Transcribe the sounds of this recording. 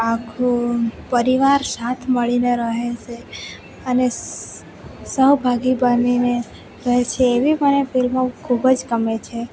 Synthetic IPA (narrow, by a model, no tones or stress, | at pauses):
akʰũpəɾiʋaɾsat̪ʰməɭineɾəɦet͡ʃʰe | əne | səwbʱaɡibanine | ɾəɦet͡ʃʰeːʋibənefilmãkʰubəd͡ʒkəmet͡ʃʰe